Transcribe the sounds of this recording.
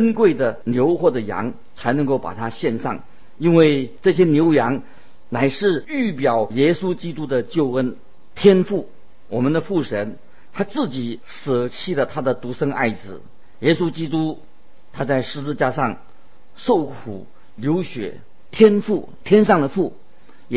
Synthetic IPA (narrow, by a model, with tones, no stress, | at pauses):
ə˥nkwe˥˩ɪd̪ə˩njo˧˥ʊxwɔ˥˩də˩jɑ̰˧˥ŋ | t͡sʰa˧˥ɪnɤ˧˥ŋko˥˩ʊpa̰˨˩t̪ʰa˥ɕjɛ˥˧nʂɑ̰˥˩ŋ | i˥nwe˥˧ɪʈ͡ʂɤ˥˩ɕ̬jɛ˥njo˧˥ʊjɑ˧˥ŋ | na˨˩ɪʂɻ̩˥˧y˥˩pjɑ˨˩ʊjɛ˥su˥t͡ɕi˥t̪u˥d̪ə˨t͡ɕjo˥˩ʊə˥n | t̪ʰjɛ˥nfu˥˩ | wɔ˨˩mə˨˦nd̪ə˧fu˥˩ʂə˧˥n | t̪ʰa˥t͡sɹ̩˥˩t͡ɕi˨˩˦ | s̩˨˩t͡ɕʰi˥lə˩t̪ʰa˥d̪ə˨t̪u˧˥ʂɤ˥ŋa̰˥˧˩ɪt͡sɹ̩˨˩ | jɛ˥su˥t͡ɕi˥t̪̬u˥ | t̪ʰa˥t͡sa˥˩ɪʂɻ̩˧˥t͡sɹ̩˥˧t͡ɕja˥˧ʂɑ˥˩ŋ | ʂo˥˩ʊkʰṵ˨˩ | ljo˧˥ʊɕɥɛ̰˨˩ | t̪ʰjɛ˥nfu˥˩ | t̪ʰjɛ˥nʂɑ˥˩ŋd̪ə˩fu˥˩